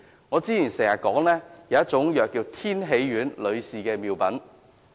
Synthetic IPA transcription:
ŋɔː˨˧t͡siː˥jiː˨˩nsɛː˨˩ŋɐ˨˩kɔː˨˥ŋlɛː˥jɐ˨˧wjɐ˥t͡sʊ˨˥ŋjœː˨kːiː˧wt̪ʰiː˥nɦe˨˧jɥyː˨˥nlɵ˨˧ɥsiː˨kɛː˧miː˨˧wpɐ˨˥n

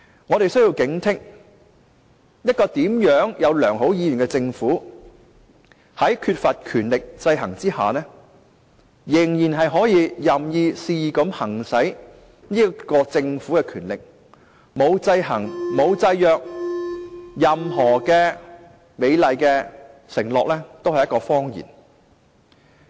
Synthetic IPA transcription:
ŋɔː˨˧ɾe˨jsɵ˥ɥji˧wkɪ˨˥ŋt̪ʰɪ˥k̚ | jɐ˥t̚kɔː˧t̪iː˨˥mjœː˨˥ŋjɐ˨˧wlœː˨˩ŋɦo˨˥wjiː˨˧jy˨˩nkɛ˧t͡sɪ˧ŋfuː˨˥ | hɐ˨˥jkʰyː˧t̚fɐ˨t̚kʰyː˨˩nlɪ˨k̚t͡sɐ˧jɦɐ̰˨˩ŋt͡siː˥ha̰ː˨˩nɛː˥ | jɪ˨˩ŋjiː˨˩nɦɐ˨jɦɔː˨˥jiː˨˧jɐ˨˩mjiː˧siː˧˨kɐ˨˥mhɐ˨˩ŋsɐ˨˥j | niː˥kɔː˧t͡sɪ˧ŋfu˨˥kɛː˧kʰyː˨˩nlɪ˨k̚ | mo˨˧wt͡sɐ˧jɦɐ˨˩ŋmo˨˧wt͡sɐ˧jjœː˨k̚ | jɐ˨mɦɔː˨˩kɛː˧ | me˨˧jlɐ˨jkɛː˧sɪ˨˩ŋlɔː˨k̚lɛː˥t̪o˥whɐ˨jɐ˥tkɔː˧fɔː˥ŋjḭː˨˩n

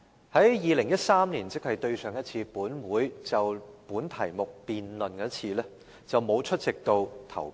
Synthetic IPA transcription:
hɐ˨˥jjiː˨˧lɪ˨˩ŋjɐ˥t̚saː˥mniː˨˩nt͡sɪ˥k̚hɐ˨jt̪ɵ˧ɥsœː˨ŋjɐ˥t̚t͡sʰiː˧puː˨˥nwuː˨˥jt͡sɐ˨wpuː˨˥nt̪ʰɐ˨˩jmʊ˨k̚piː˨nlɵ˨nkɛː˧˥t͡sʰiː˧lɛː˥ | t͡sɐ˨wmo˨˧wt͡ʃʰɵ˥t̚t͡sɪ˨k̚t̪o˧wt̪ʰɐ̰˨˩w

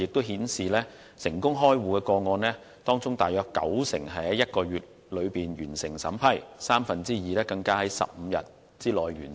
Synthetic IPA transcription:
jɪ˨k̚t̪o˥wɦiː˨˥nsiː˨lɛː˥ | sɪ˨˩ŋkʊ˥ŋɦɔː˥jwuː˨kɛː˧kɔː˧ŋɔː˧nlɛː˥ | t̪ɔː˥ŋt͡sʊ˥ŋt̪aː˨jœː˨˧kkːɐ̰˨˥wsɪ̰˨˩ŋɦɐ˨˥jjɐ˥t̚kɔː˧ɥyː˨t̚ | lɵ˨˧ɥpiː˨nɥyː˨˩nsɪ˨˩ŋsɐ˨˥mpʰɐ˥jsaː˥mfɐ˨nt͡siː˥jiː˨˧lɛː˥kɐ˧ŋkaː˥hɐ˨˦jsɐ̰˨p̚m̩˨˧jɐ̰˨t̚ | t͡siː˥lɔː˨jɥyː˨˩n

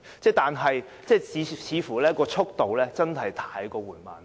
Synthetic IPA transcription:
t͡sɛː˥t̪aː˨nɦɐ˨j | t͡sɛː˥˩t͡siː˨t͡sʰiː˨˧fuː˨˩lɛː˥kɔː˧t͡ʃʰʊ˥k̚t̪o˨wlɛː˥t͡sɐ˥nɦɐ˨jt̪ʰaː˧˥jkɔː˧wuː˨˩nma̰ː˨˩n

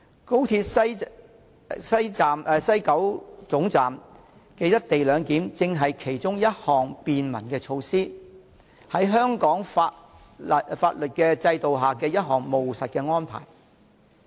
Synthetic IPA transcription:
ko˥wt̪ʰiː˧t̚sɐ˥ | sɐ˥jt͡saː˨mː˨˧sɐ˥jkɐ˨˥wt͡sʊ˨˥ŋt͡saː˨m | kɛː˧jɐ˥t̚t̪e˨jlœː˨˧ŋkiː˨˥mt͡sɪ˧ŋɦɐ˨jkʰe˨˩jt͡sʊ˥ŋjɐ˥t̚hɔː˨˩ŋpiː˨nmɐ˨˩nkɛː˧t͡ʃʰo˧wsiː˥ | hɐ˨˥jɦœː˥ŋkɔː˨˥ŋfaː˧˨ | faː˧t̚lɵ˨t̚kɛː˧t͡sɐ˧jt̪o˨wɦaː˨kɛː˧jɐ˥t̚ɦɔː˨ŋmo˨wsɐ˨t̚kɛː˧ŋɔː˥npʰa̰ː˨˩j

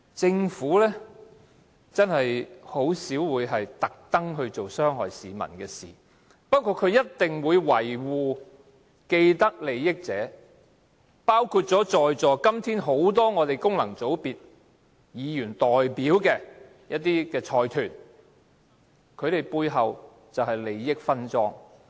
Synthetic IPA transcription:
t͡sɪ˧ŋfuː˨˥lɛː˥ | t͡sɐ˥nhɐ˨jho˨˥wsiː˨˥wwuː˨˧jɦɐ˨jt̪ɐ˨k̚t̪ɐ˥ŋɦɵ˧ɥt͡so˨wsœː˥ŋɦɔː˨jsiː˨mɐ̰˨˩nkɛː˧sḭː˨˩ | pɐ˥t̚kʰu˧t̚kʰɵ˨˧ɥjɐ˥t̚t̪ɪ˨ŋwuː˨˧jwɐ˨˩jwuː˨˧ | ke˧jt̪ɐ˥k̚le˨˧jːɪ˥k̚t͡sɛ̰ː˨˥ | paː˥wkʰu˧t̚t͡sɔː˨˥t͡sɔː˨jt͡sɔː˨kɐ˥mt̪ʰiː˥nɦo˨˥wt̪̬ɔː˥ŋɔː˨˧t̪e˨jkʊ˥ŋlɐ˨˩ŋt͡so˨˥wpiː˨t̚ | jiː˨˧jyː˨˩nt̪ɔː˨jpiː˨˥wkɛː˧ | jɐ˥t̚t̪iː˥kɛː˧t͡ʃʰɔː˧jt̪ʰyː˨˩n | kʰɵ˨˧ɥt̪e˨jpuː˧jɦɐ˨w | t͡sɐ˨whɐ˨jle˨jːɪ˥k̚fɐ˥nt͡sɔː˥ŋ

